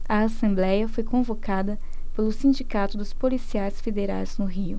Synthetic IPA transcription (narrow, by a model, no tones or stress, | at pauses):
ɐasẽmblɛjɐfojkõvokad̪ɐ | pelʊsĩd͡ʒikat̪ʊd̪ʊspolisiajsfed̪eɾa̰jz̥nʊɦiʊ̰